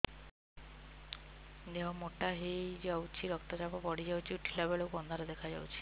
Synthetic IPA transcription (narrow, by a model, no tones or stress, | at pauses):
d̪eɦɔ̃moʈaɦed͡ʒawt͡ʃʰiɾɔkt̪ad͡ʒapɔbɔɽid͡ʒawt͡ʃʰiuʈʰilabeɭokuɔnd̪ʱaɾɔd̪ekʰad͡ʒawt͡ʃʰi̥